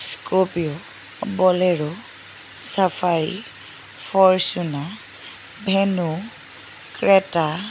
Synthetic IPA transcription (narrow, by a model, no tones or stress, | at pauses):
skopiɔ | bɔlɛɹɔ | sapʰaɹḭ | pʰɔɹsuna | bʱɛnu | kɹɛta